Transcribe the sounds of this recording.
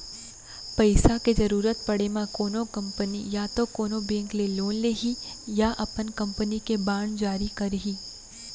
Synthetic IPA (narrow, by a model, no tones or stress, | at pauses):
pɐɪsaked͡ʒɐɾuːɾət̪̚pɐɽemãkoːnõkɐ̃mpənijat̪okoːnobẽːŋkleloːnleɦijaʔɐpənkɐ̃mpənikebaːɳd͡ʒaːɾikɐɾɦiː